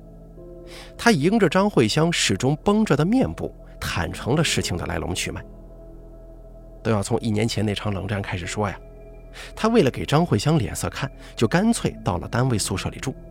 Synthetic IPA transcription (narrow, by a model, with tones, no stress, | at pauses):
t̪ʰa˥i˧˥ŋʈ͡ʂə˨ʈ͡ʂɑ˥ŋxwe˥˩ɪɕjɑ˥ŋʂɻ̩˨˩ʈ͡ʂʊ˥ŋpɤ˥ŋʈ͡ʂə˧˩d̪ə˧mjɛ˥˧npṵ˥˩ | t̪ʰa̰˨˩nʈ͡ʂʰɤ˧˥ŋlə˧ʂɻ̩˥˩t͡ɕʰi˨ŋd̪ə̰˩la̰˧˥ɪlʊ̰˧˥ŋt͡ɕʰy˥˩ma˨˩ | t̪o˥ʊjɑ˥˩ʊt͡sʰʊ˧˥ŋʔi˥˩njɛ˧˥nt͡ɕʰjɛ˧˥ne˥˩ɪʈ͡ʂʰɑ˧˥ŋlɤ˧˥ŋʈ͡ʂa˥˧nkʰa˥ɪʂɻ̩˨˩ʂwɔ˥ja˨˩ | t̪ʰa˥we˥˩ɪlə˩ke˨˩ɪʈ͡ʂɑ˥ŋxwe˥˩ɪɕjɑ˥ŋljɛ̰˨˩nsɤ̰˥˧kʰa˥˩n | t͡ɕjo˥˩ʊka˥nt͡sʰwe˥˧ɪt̪ɑ˥˩ʊlə̰˩t̪a˥nwe˥˧ɪsu˥˧ʂɤ̰˥˧˩li˨˩ʈ͡ʂu˥˩